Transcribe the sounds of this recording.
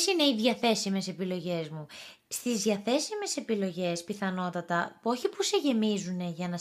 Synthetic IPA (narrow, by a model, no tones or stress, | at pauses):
sine̞iðʝɐθe̞sime̞se̞pilo̞ʝe̞zmu | st̪izðʝɐθe̞sime̞se̞pilo̞ʝe̞spiθɐno̞t̪ɐt̪ɐpuo̞çipuse̞ʝe̞mizune̞ʝɐnɐ